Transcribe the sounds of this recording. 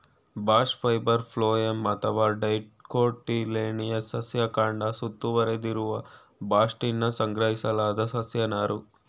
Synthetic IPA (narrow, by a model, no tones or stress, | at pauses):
baːʂpʰɐjbɐɾpʰloːemɐt̪ʰɐʋaːɖɐjʈkoːʈːileːnijɐsɐsjɐkaːɳɖɐsut̪ːuʋɐɾed̪iɾuʋɐ | baːʂʈinːɐsɐŋɡɾɐɦisɐlaːd̪ɐsɐsjɐnaːɾu